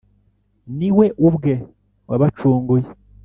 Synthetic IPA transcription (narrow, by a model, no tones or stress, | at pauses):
niwe̞ʔubɡe | waβat͡ʃuːŋɡuje